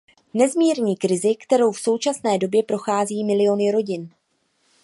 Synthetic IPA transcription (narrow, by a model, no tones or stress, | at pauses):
nɛzmiːɾɲiːkɾɪzɪkt̪ɛɾo̞wfso̞wt͡ʃasnɛːdo̞bjɛpɾo̞xaːziːmɪlɪjo̞nɪɾo̞ɟɪn